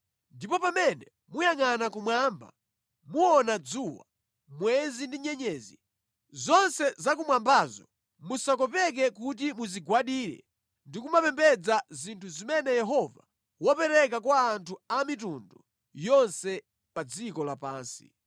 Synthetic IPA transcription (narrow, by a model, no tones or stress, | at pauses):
ndipɔpamɛnɛ | mujaŋanakumwaːmba̰ | muɔnad͡zuwa̰ | mwɛzindiɲɛɲɛːzi | zɔnsɛzak̬umwambazɔ̰ | musakɔpɛk̬ɛkut̬imuziɡwaɗiːɾɛ̰ | ndikumapɛmbɛd͡zazintʰuzimɛnɛjɛɦɔva̰ | wɔpɛɾɛk̬akwaːntʰuamitundɔ | jɔnsɛ | pad͡zikɔlapaːnsi̥